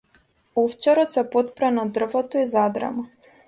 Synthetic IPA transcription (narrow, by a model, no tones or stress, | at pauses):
ɔft͡ʃɛɾɔt̪sɛpɔt̪̚pɾanad̪r̩vɔt̪ɔizad̪ɾa̰ma